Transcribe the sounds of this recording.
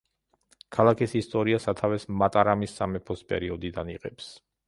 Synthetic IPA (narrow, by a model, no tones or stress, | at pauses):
kʰalˠakʰisist̪ʼɔɾiasat̪ʰavɛsmat̪ʼaɾamisːamɛpʰɔspʼɛ̰ɾiɔd̪id̪aniqʼɛps